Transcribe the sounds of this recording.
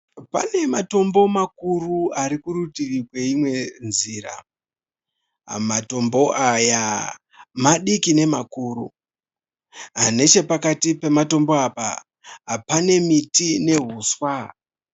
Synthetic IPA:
pa̰ne̞mato̞mbo̞mak̚uruaɾikurutirikwe̞imwe̞nziːra̰ | mato̞mbo̞ʔaja | maɗikine̞makuːrṵ | ɦane̞t͡ʃe̞pakatipe̞mato̞mboapa̰ | ɦapane̞mitine̞ɦuːswa

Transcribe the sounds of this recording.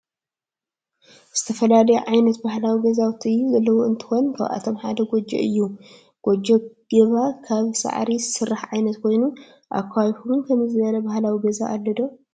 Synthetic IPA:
z̥ɨt̪ʰɐfɐlalɐjɛ̰ʕajnɐt̪̚bahlawiɡɐzawt̪ʰiɨjːuzɐlːɐwoɨnt̪ʰɨ̥xo̞nkʰɐβʔa̰t̪ʰomħa̰d̪ɐɡod͡ʒɛ̰ʔɨjːu | ɡ̥od͡ʒɐɡ̥ɐβakʰaβsa̰ʕɾisɨrːaħʕajnɐt̪kʰo̞jnu | ʔa̰kʰːajħuɡɨnkʰɐmzɨβɐɾɐbahlawiɡɐza̰ʔːlːɐd̪o

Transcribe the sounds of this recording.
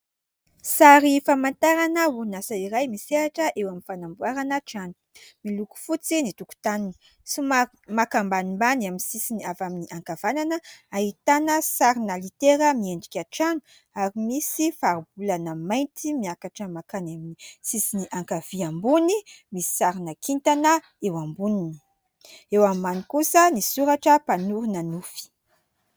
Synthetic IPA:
saɾifamant̪aɾanəunasaiɾajmiseɾaʈ͡ʂəʔewaminfanambuaɾanaʈ͡ʂanu̥ | miluku̥fut͡sinit̪uku̥t̪anini̥ | sim | makambanimbanaminsisiniavaminiʔaŋkav̥ananəaɦit̪anəsaɾinalit̪eɾəmieɳɖ͡ʐikʲaʈ͡ʂanu̥ | aɾimisifaɾub̥ulanəmajnt̪imiakaʈ͡ʂəmakanaminisisiniʔaŋkav̥iambunimisi̥saɾinəkʰint̪anə | ewambunini̥ | ewammanikusənisuɾaʈ͡ʂəpanuɾunanufi̥

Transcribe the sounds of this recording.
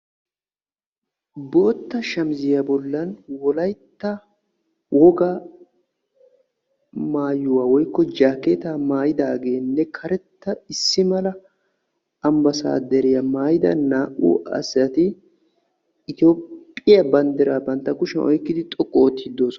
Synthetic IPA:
bo̞ːt̪ːɐʃɐmzɪjɐbɔlːɐnwɔlɐjt̪ːɐ | wʔɔɡɐ | maːjʊwaːwɔjkːɔd͡ʒaːkːeːt̪amaːjɪd̪aɡe̞ːnːɛkʰɐɾɛt̪ːɐɪsːɪmɐlɐ | ɐmbɐsa̰ːd̪ɛɾɪjɐmaːjɪd̪ɐ̰naːʔṵɐ̰sɐt̪ɪ | ɪt̪o̞ːpʼːɪjɐbɐnd̪ɛɾaːbɐnt̪ːɐkʊʃɛʔɔjkːɪd̪ɪt̪ʼɔkʼːɔt̪ːɪd̪o̞ːsɔ

